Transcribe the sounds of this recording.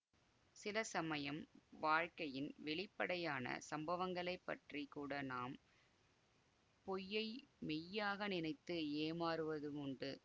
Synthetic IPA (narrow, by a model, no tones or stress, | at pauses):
sɪlɐsɐmɐjɐmʋaːɻkɐjɪnʋɛɭɪpːɐɽɐjaːnɐ̰sɐmbɐʋɐŋɡɐɭɐɪpːɐ̰ʈrikuːɽɐnaːm | pɔjːɐɪmɛjːaːɣɐnɪnɐɪt̪ːɯeːmaːɾɯʋɐðɯmʊɳɖɯ